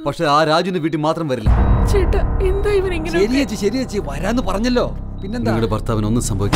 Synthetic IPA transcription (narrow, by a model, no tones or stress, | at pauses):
pɐkʂe̞aːɾaːd͡ʑuneʋiːʈːimaːt̪rɐmʋɐɾilːɐ̰t͡ɕeʈːɨend̪oːiʋɐniŋːɐnɐɾijɐt͡ɕːiɕɐɾijɐt͡ɕːiʋɐɾaːnːɨpɐrɐɲːɐlːo̞ː | pinːenaiŋːɐɭepɐrt̪aːʋɐno̞nːɨsɐmbʱɐʋikʲː